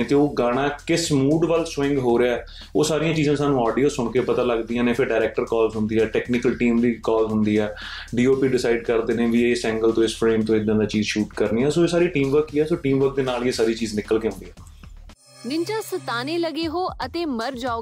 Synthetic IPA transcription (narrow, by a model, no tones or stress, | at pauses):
t̪eːoːɡaːɽ̃ãːkɪsmuːɖʋaːlsʋɪ̃ŋɡɦoːɾeaːɛː | oːsaːɾijãːt͡ʃiːzãːsaːnũːaːɖijoːsʊɳkeːpət̪aːləɡd̪iːãːneːfʰɪɾɖaːɾɛːk̚ʈəɾkɔːlzɦʊnd̪iːɦɛːʈɛːknɪkəlʈiːmd̪iːkɔːlɦʊnd̪iːɛː | ɖiːoːpiːɖɪsaːɪɖkəɾd̪eːnẽːʋiːeɪsɛ̃ːŋɡəlt̪õːɪspʰɾeːmt̪õːɪd̪ːãːd̪aːt͡ʃiːzʃuːʈkəɾniːɛːsoːeːsaːɾiːʈiːmʋəɾkiːɛːsoːʈiːmʋəɾk̚d̪eːnaːljeːsaːɾiːt͡ʃiːznɪkːəlkeːɦʊ̃nd̪iːɛː | nɪ̃nt͡ʃãːsət̪aːneːləɡeːɦoːət̪eːməɾd͡ʒaːoː